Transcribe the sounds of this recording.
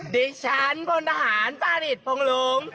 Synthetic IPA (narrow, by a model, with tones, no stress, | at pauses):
di˧t͡ɕʰa˦˥nbʰo˧nt̪ʰaː˧ɦaː˩˦npaː˧ɾi˨˩t̪̚pʰo˧ŋloː˧˦ŋ